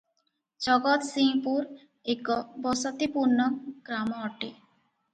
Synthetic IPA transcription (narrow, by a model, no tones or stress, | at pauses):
d͡ʑɔɡɔt̪siŋpuɾ | ekɔbɔsɔt̪ipuɾnɔɡ̥ɾamɔɔʈe